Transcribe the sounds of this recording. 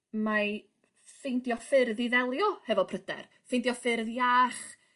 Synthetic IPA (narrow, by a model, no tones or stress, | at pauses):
ma | fejndjɔfɪrðiðɛlˠjɔhɛvɔpʰrəd̥ɛ̰r | fɪjndiɔfɪrðjaːχ